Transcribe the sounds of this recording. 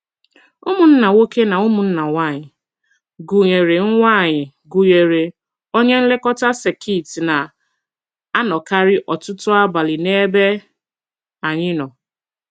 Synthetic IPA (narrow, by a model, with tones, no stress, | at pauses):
o˦mu˨n̩˦na˨wo˦ke˦na˨o˦mʊ˨n̩˦na˨wa˦˨ɲɪ˨ | ɡu˨ɲe˨ɾe˨ŋ̩˦ŋʷa˦˨ɲɪ˨ | ɡu˨ɲe˨ɾe˨ | o˦ɲe˦n̩˦le˦kɔ˦ta˦se˨kʰi˦˨ti˨na˨ | a˦nɔ˨ka˦ɾɪ˦ʔɔ˨tʊ˦tʊ˦a˦ba˨lɪ˨ne˦be˦ | a˨ɲɪ˦nɔ˨